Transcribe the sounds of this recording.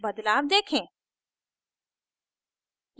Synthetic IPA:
bəd̪laːbd̪eːkʰẽː | j

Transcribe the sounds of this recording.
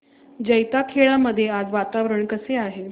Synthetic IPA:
d͡ʑəjt̪akʰeɭaməd̪ʱːjead͡zʋat̪aʋɾəɳkəseaɦe

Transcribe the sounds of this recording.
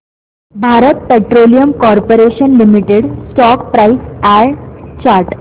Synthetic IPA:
bʱaɾət̪̚peʈɾolijəmkɔɾpoɾeɕənlimiʈeɽsʈɔk̚pɾaisɛɾt͡ɕaɾʈ

